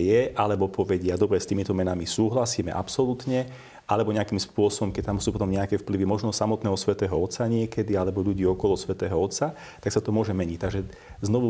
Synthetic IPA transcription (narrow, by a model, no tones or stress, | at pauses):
jɛʔalɛbɔpɔʋɛɟɪad̪ɔbɾɛst̪iːmit̪ɔmɛnamisuːɦlasiːmɛ̰ʔa̰psɔlut̪ɲɛ | ʔalɛbɔɲɛakiːmspʊɔsɔbɔmkɛc̚t̪amsuːpɔt̪ɔmɲɛakɛfpliʋimɔʒnɔsamɔt̪nɛːɦɔsʋɛt̪ɛːɦɔɔt̪saɲɪɛkɛd̪ialɛbɔʎuɟiːɔkɔlɔsʋɛt̪ɛːɦɔɔt̪sa | t̪aksat̪ɔmʊɔʒɛmɛɲic̚t̪aɡʒɛ | znɔʋu